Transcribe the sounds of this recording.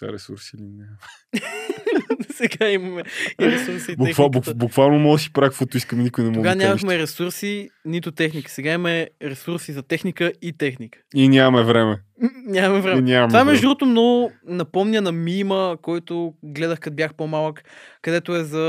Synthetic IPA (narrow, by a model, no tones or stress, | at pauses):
d̪a̰ɾɛsuɾsilinʲam | sɛɡaimɐmɛiɾɛsuɾsiːtbuɛvabukbukvalˠnomɔɡəsi̥pɾaɛkfɔt̪ʊiskəmɛnikʊjnɛmoɔɡanjamɐxmɛɾɛsuɾsinit̪ʊt̪ɛxniki̥sɛɡaimmɛɾɛsuɾsizɐt̪ɛxnikəit̪ɛxnikə̥inʲamɛvɾɛmɛ | nʲamɐmɛvɾɛmɛnʲamvaɛmɛʒdd̪ɾut̪omnɔɡʊnɐpɔmnʲənɐmiməkɔjt̪oɡlɛd̪əxkɐt̪bjaxpomalˠəkːɐd̪ɛt̪oɛzɐ